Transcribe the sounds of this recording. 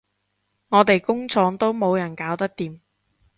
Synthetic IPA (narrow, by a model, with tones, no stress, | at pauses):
ŋɔː˨˧t̪e˨jkʊ˥ŋt͡sʰɔː˨˧ŋt̪o˥wmo˨˧wjɐ˨˩nkaː˨˥wt̪ɐ˥k̚t̪iː˨m